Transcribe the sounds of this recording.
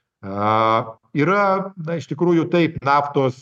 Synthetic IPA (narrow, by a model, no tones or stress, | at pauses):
ɐ | iːɾɐnɐɪʃt̪ʲɪkɾuːjʊt̪ɐɪpnɑːft̪oːs